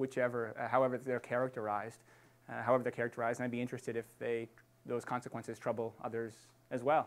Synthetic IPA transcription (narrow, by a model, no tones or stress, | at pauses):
wɨt͡ʃɛvə˞ɦaʊɛvə˞ðə˞kʰɛɹɨk̚tʰə˞aɪzd̥ | ɦaʊɛvə˞ðəkʰɛɹɨk̚tʰə˞aɪz̃naɪbiɪ̃nt͡ʃɹ̥ɨstɨɾɨfðeɪ | ðoʊz̥kʰɑ̃nsɨkwɛ̃nsɨz̥tʰɹ̥ʌbl̩ˠʌ̰ðə˞z | ɨzwɛlˠ